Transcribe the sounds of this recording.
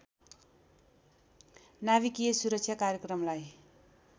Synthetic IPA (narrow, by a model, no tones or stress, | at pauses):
naβikijesuɾʌk̚sʰjakaɾjʌkɾʌmlaj